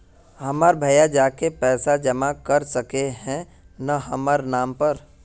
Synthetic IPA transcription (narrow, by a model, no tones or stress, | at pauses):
hɐmaːɾbʱɐjad͡ʒaːkepɛːsad͡ʒɐmakɐɾsəkeɦɛ̃ | naɦɐmaːɾnaːmpəɾ